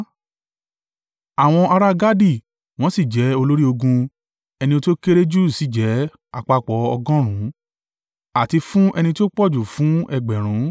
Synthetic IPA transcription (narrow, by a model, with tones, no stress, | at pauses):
a˨w̃ɔ̃˧ʔa˧ɾa˦ɡa˦di˦˨ | w̃ɔ̃˨˦si˦˨d͡ʒɛ˨˦o˧lo˦ɾi˦o˧ɡũ˧ | ɛ˧nĩ˧o˧to˦ke˦ɾe˦d͡ʒu˦si˨˦˨d͡ʒɛ˨˦ | a˧˨k͡pa˧k͡pɔ˨˦ɔ˧ɡɔ̃˦ɾ̃ũ˨˦ | a˨ti˧fũ˦ʔɛ˧nĩ˧to˦k͡pɔ˦˨d͡ʒu˨fũ˨˦ɛ˧ɡ͡bɛ˨ɾ̃ũ˨˦